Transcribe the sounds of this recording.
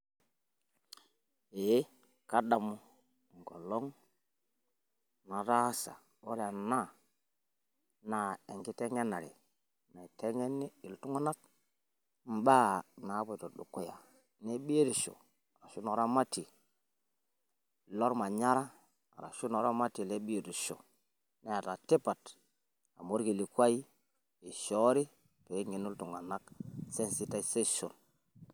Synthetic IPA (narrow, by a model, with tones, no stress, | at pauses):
e˨˦ | ka˦da˨mu˦˨ | ŋ˨ɡo˨lo˦ŋ | na˨ɾa˦sa̰˨ | o˦ɾa˨na˦ | na˨e˨ŋɡi˦te˦ŋe˦nːa˨ɾḭ˨ | na˨te˦ŋe˦nːi˦i˨ltu˦ŋo˦na˦t̚ | m̩˨ba˦na˨˦bo˨do˨ɗṵ˨kːo˦ja̰˨ | ne˦ɓi˦e˦ɾi˨ʃo̰˨ | a˨ɾa˨ʃu˦no˨ɾa˦ma˦ti˨ | lo˦ɾma˨ɲa˦ɾa˦ | a̰˨ɾa̰˨ʃu˦no˨ɾa˦ma˦ti˨le˦ɓi˦e˨di˨ʃo̰˨ | ne˦ja˨ta˨ti˦pa˨t | a̰˨mo˦ɾɡi˨li˨kʷa˦i˦ | i˨ʃo˦ɾi˦ | pe˨˦ŋe˨nu˦ltu˨ŋa˨na˦kse˦nsi˦ta˦i˨se˦ʃo̰˨n